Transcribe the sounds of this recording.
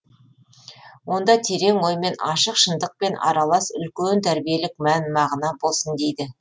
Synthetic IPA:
wo̞nd̪ɑt̪ʰe̞ɾe̞ŋwo̞jme̞nɑʃəqʃənd̪əq̚pe̞nʔɑ̰ɾɑlˠɑsʏ̰lkʲent̪ʰæɾbije̞lɪk̚mænmɑʁənɑbo̞lˠsənd̪e̞jd̪ɪ

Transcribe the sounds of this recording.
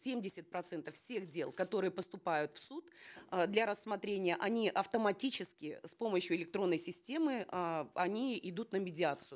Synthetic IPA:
sʲemʲdʲɪsʲɪt̪̚pɾɐt̪sɛnt̪əfsʲe̞xdʲe̞lˠkɐt̪o̞ɾɨjəpəst̪ʊpajʊt̪fsut̪d̪lʲɐɾəsːmɐt̪ɾʲenʲɪjəʔɐnʲiʔɐft̪əmɐtʲit͡ɕɪskʲɪspo̞məɕjʊɪlʲɪk̚t̪ɾo̞nːəjsʲɪsʲtʲe̞mɨɐnʲiɪd̪ut̪nəmʲɪdʲɪat̪sɨjʊ

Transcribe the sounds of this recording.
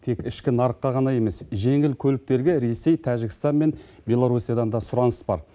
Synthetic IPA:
t̪ʰe̞kɪʃkʲɪnɑɾəqːɑʁɑnɑje̞me̞sʒe̞ŋɪlkʲʰɵlɪk̚t̪e̞ɾɡʲeɾe̞se̞jt̪ʰæʒɪɡʲɪst̪ɑnme̞nbʲe̞lˠoɾusijad̪ɑnd̪ɑsʊɾɑnəsbɑɾ

